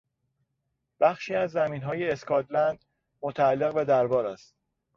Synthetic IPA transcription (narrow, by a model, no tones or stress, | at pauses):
b̥æχʃiːæzːæmiːnɦɒːjeːskʰɒːt̪ʰlænd̪̥ | mot̪ʰæælːe̞ɣbæd̪æɾbɒːɾæ̰st̪